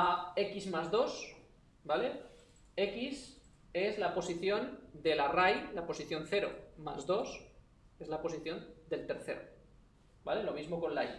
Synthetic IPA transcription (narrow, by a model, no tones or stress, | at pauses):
ae̞kizmazðo̞s | bale̞ | e̞kis | e̞zlapo̞siθjo̞nd̪e̞larajlapo̞siθjo̞nθe̞ɾo̞̰ma̰zðo̞s | e̞zlapo̞siθjo̞nd̪e̞lt̪e̞ɾθe̞ɾo̰ | bale̞lo̞mizmo̞ko̞nlaj